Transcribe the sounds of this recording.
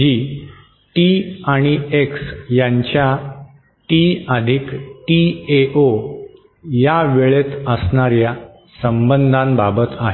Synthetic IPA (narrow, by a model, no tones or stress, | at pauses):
d͡ʑi | ʈiaɽ̃ieksjãɲt͡ɕja | ʈiəd̪ʱikʈieʔo | jaʋeɭet̪əsɳaɾja | səmbənd̪ʱãnbabət̪aɦe